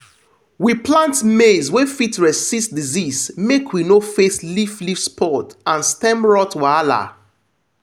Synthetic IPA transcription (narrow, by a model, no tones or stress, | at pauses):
wiplãntmezwefitɹɛsssisdizismekʰwinofesliflifspʰɔtãnstɛ̃mɹɔtwala̰